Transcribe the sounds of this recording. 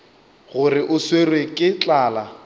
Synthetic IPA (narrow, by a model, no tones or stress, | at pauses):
ɣʊrɪʔʊswerwekʼɪt͡ɬʼaːla